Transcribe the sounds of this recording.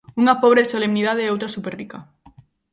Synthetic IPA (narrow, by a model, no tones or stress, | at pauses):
uŋapoβ̞ɾesolemniðaðeowt̪ɾasuperika